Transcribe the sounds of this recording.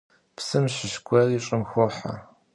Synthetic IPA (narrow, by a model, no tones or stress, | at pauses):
psɨmɕɪʃkʷʰɐriɕʼɐmxʷɔħa̰